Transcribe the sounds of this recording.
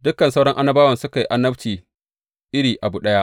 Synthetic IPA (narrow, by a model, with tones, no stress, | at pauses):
dʊ˦kɐ˨nsa˦wɽɐ˦ŋʔa˦nɐ˦baː˦wɐ˨nsʊ˦ka˨ji˦ʔa˦nːɐ˦ɸtiː˨ | ʔɪ˦ɽiː˨ʔa˨bu˨ɗɐ˦jaː˦ʔ